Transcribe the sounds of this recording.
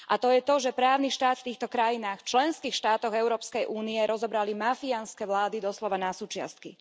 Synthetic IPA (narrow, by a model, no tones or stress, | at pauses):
ʔat̪ɔjɛt̪ɔʒɛpɾaːʊniʃt̪aːt̪ft̪iːxt̪ɔkɾajinaːxft͡ʃlɛnskiːxʃt̪aːt̪ɔɣɛʊɾɔːpskɛjʔuːniɛɾɔzɔbɾalimafianskɛʋlaːd̪id̪ɔslɔʋanasuːt͡ʃɪa̰st̪̚ki